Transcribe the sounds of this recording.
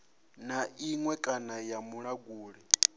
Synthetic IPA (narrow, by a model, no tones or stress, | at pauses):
naiŋwɛkʼanajamuɺaɡuːɺɛ